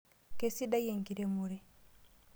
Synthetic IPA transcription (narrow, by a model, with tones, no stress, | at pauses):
ke˦si˦da˦je˨ŋki˨ɾe˦mu˨ɾe˦